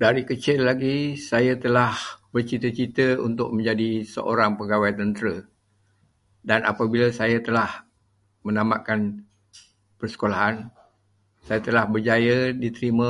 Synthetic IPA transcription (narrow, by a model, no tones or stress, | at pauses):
daɾikət͡ʃɪlːaɡisajat̪əlahbərt͡ʃit̪ət͡ʃit̪əunt̪ʊk̚mə̃ɲd͡ʒadisə̰ʔoɾaŋpəɡawajt̪ənt̪əɾə | danʔa̰pabilasajat̪əlah | mənamaʔkan | pərsə̥kolaɦan | sajat̪əlahbərd͡ʒajədit̪əɾimə̃